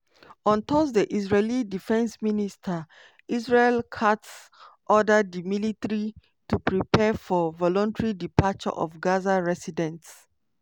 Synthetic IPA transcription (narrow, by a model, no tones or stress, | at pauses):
ɔ̃ntʰɔs̬dəʔisɹelidifɛ̃nsministʰə | isɹelkʰats | ʔɔdəddəmilitəɹi | tupʰɹipʰɛfɔvɔlɔ̃ntɹidipat͡ʃɔ̰ʔɔ̰fɡazaɹɛsidɛ̃nts